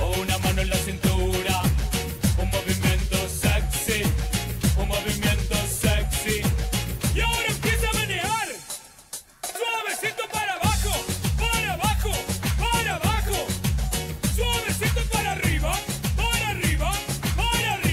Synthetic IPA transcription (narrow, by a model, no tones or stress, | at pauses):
ounamanoẽlasint̪uɾa | unmoβimjẽnt̪oseksi | unmoβimjent̪oseksi | jaoɾaempjesamaneɣaɾ | swaβesit̪opaɾaβaxopaɾaβaxopaɾaβaxo | sβesit̪opaɾariβapaɾariβapaɾar